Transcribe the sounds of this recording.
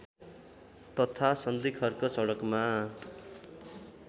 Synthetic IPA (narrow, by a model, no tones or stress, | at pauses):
t̪ʌt̪ʰasʌnd̪ikʰʌrkosʌɽʌkma